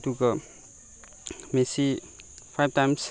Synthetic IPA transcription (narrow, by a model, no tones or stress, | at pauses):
tuɡa | mesi | pʰajb̚tajms